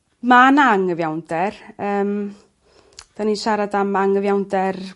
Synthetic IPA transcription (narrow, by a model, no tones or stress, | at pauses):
manaŋəvjawndɛrəːm | d̥aniʃaɾadamaŋəvjawndɛr